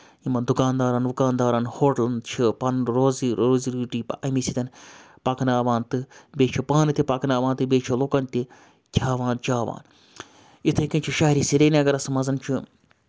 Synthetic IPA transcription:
imɐnd̪ukaːnd̪aːɾɐnʋukaːnd̪aːɾɐnhoːʈɐlnt͡ʃʰipɐnɾoːziɾoːziɾiʈiːpɐɐmisit̪ɐn | pɐknaːʋaːnt̪ɨbeːt͡ʃʰipaːnɨt̪ʲipɐknaːʋaːnt̪ɨbeːt͡ʃʰiloːkɐnt̪ʲi | kʲʰaːʋãːnt͡ʃaːʋa̰ːn | it̪ʰɐkint͡ʃʰiʃaːɦɾiːsiɾeːneɐɡɐɾɐsmɐzɐnt͡ʃʰi

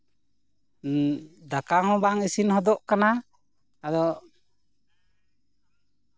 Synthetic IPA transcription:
d̪akaɦɔ̃baŋisinhɔd̪ɔʔkana | ad̪ɔʔ

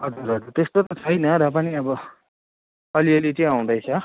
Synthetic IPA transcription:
ɦʌd͡zuɾɦʌd͡zuɾt̪est̪ot̪ʌt͡sʰʌjnʌɾʌpaniʌbʌ | ʌliʌlit͡sʌĩãw̃d̪ʌjt͡sʰʌ

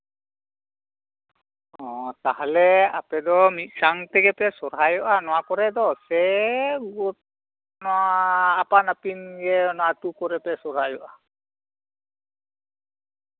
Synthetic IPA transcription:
ɔ̃t̪aɦalɛa̰pɛd̪ɔmit̪̚ˀsaŋt̪ɛɡɛpɛsɔɾɦajɔʔanɔwakɔɾɛd̪ɔsɛɡɔt̪̚ | nɔaːpanapinɡɛnɔwatukɔɾɛpɛsɔɾɦajɔʔa

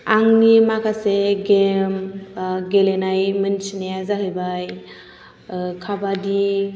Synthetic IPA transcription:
aŋnimakʰaseɡemɡelenajmɯnsinejazaɦɯjbaj | kʰabadi

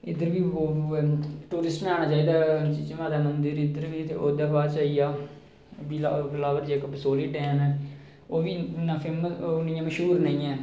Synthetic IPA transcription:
ɪd̪əɾʋiːoː | ʈuːɾɪsʈmẽaːɽ̃aːt͡ʃaːiːd̪aːt͡ʃid͡ʒʋãːd̪aːmənd̪əɾɪd̪əɾʋiːt̪ʰeːoːd̪aːbaːt͡ʃaːiːjaː | biːlalaːʋəɾd͡ʒeːkbəsoːliːʈɛːnɛː | oːʋiːnãːfʰɪmnɪjãːməʃɦuːɾnəĩːɛː

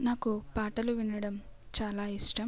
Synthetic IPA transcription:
naːkupaːʈɐluʋinɐɽɐm | t͡ʃaːlaːiʂʈɐm

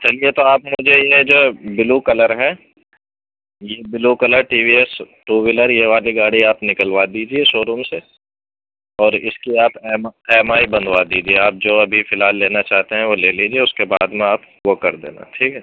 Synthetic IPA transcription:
t͡ʃɐliet̪oaːpmʊd͡ʒʱejed͡ʒoːbɪlukɐləɾɦɛː | jebɪlukɐləɾʈiːʋiːɛs | ʈuːʋɪləɾjeʋaːliɡaːɽiaːpnɪkəlʋad̪iːd͡ʒieʃoːɾuːmse | ɔːɾɪ̰skiaːpɛːmɛːmaːibɐ̃nd̪ʱʋad̪iːd͡ʒieaːp̚d͡ʒoːɐbʱifɪlɦaːlːeːnat͡ʃaːɦt̪eɦɛ̃ʋoleːliːd͡ʒieʊskeba̰ːd̪mẽaːp | okɐɾd̪ḛːna̰ʈʰiːkɦɛː

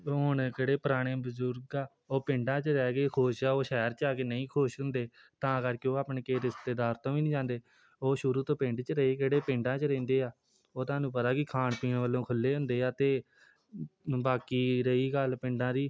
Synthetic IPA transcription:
ʊɳkəɽeːpəɾaːɽ̃ẽːbəzʊɾɡaː | oːpɪ̃ɳɖãːt͡ʃəɾɛːkeːkʰoːʃaːoːʃɛːɾt͡ʃaːkeːnəĩːkʰoːʃɦʊ̃nd̪eː | t̪ãːəɡəɾkjõːaːpɳeːkeːɾɪst̪eːd̪aːɾt̪õːʋiːnĩd͡ʒãːnd̪eː | oːʃʊɾuːt̪õːpɪ̃ɳɖt͡ʃəɾəiːkeɽeːpɪ̃ɳɖãːt͡ʃəɾẽːnd̪eːaː | oːt̪aːnũːpət̪aːkɪkʰaːɳpiːɳʋəlːõːkʰʊlːeːɦʊ̃nd̪eːaːt̪eː | baːkiːɾəiːɡəlpɪɳɖãːɾiː

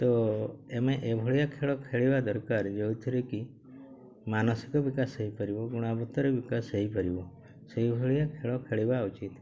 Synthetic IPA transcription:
t̪ɔemeʔebʱɔɭijakʰeɭɔkʰeɭibad̪ɔɾkaɾd͡ʒewt̪ʰiɾeki | manɔsi̥kɔbikaseɦipɔɾibɔɡuɽ̃abɔt̪ɔɾɔbikaseɦipɔɾibɔ | seɦibʱɔɭijakʰeɭɔkʰeɭibaut͡ʃit̪

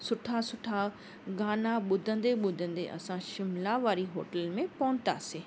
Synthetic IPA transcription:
sʊʈʰasʊʈʰa | ɡaːnaɓʊd̪ʱə̃nd̪eɓʊd̪ʱə̃nd̪eʔɐ̰sãʃɪmlaʋaːɾiɦoːʈəlmẽpɐʊ̃nt̪a̰ːseː

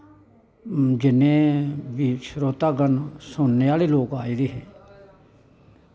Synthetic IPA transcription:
d͡ʒɪnːẽːʋiːʃɾoːt̪aːɡənsʊnːeːaːleːloːkaːiːɾeːɦɛː

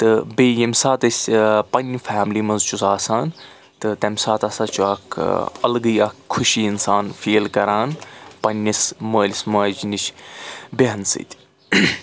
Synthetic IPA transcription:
t̪ɨbeːjɐmʲsaːt̪ɐsʲpɐnʲfaːmlimɐnzt͡ʃusaːsaːn | t̪ɨt̪ɐmʲsaːt̪ɐsaːt͡ʃuaːkʰɐ̰lɡɨːakʰːʊʃiːɪnsaːnfeːlkɐɾaːnpɐnʲɐsməːlʲsmɐːd͡ʒnit͡ʃʰbeɦɐnsɨ̰t̪ʲ

